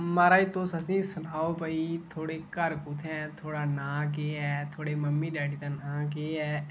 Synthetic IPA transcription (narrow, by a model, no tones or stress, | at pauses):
maːɾaːit̪oːsəsĩsʊnaːopəit̪ʰoːɽekəɾkʊt̪ʰɛ̃t̪ʰoːɽanãːk̬eːɦɛːt̪ʰoːɽeməmːiɖaːʈiːt̪anãːk̬eːɛː